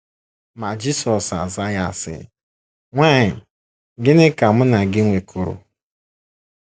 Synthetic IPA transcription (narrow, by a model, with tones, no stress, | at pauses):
ma˨d͡ʒi˦sɔ˨sa̰˨za˦ja˨sɪ̰˦ | ŋʷa˦˨ɲɪ˨ | ɡɪ˦nɪ˦ka˨m̩˦na˨ɡɪ˦ŋʷe˨kʰʊ˨ɾʊ̰˨